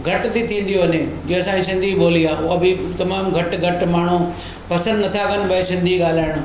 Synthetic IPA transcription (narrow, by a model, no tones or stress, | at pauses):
ɡʱɐʈt̪it̪ʰĩːnd̪ijoɐnẽd͡ʒɪsãsɪ̃nd̪ʱiɓoːliaːɦuɐbit̪ɐmaːmɡʱɐʈɡʱɐʈmaːɳ̤ũ | pɐsə̃nd̪nɐt̪ʰakɐnbʱaisɪ̃nd̪ʱiɠaːl̤aːɪɽ̃ʊ